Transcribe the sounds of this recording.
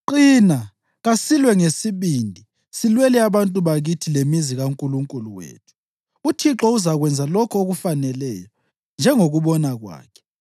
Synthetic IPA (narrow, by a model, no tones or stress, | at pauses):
ǃiːna | ɣasilwɛŋesiβindʱi | silwɛlɛaβantʼuβaɣitʰilemiziɣauŋkʼuluŋkʼuluwḛːtʰu̥ | utʰiǁɔuzaɣwɛnd͡zʱalɔkʰɔoɣufanɛlɛjɔ | nd͡ʒʱɛŋoɣuβɔnaɣwa̰ːkʰɛ̥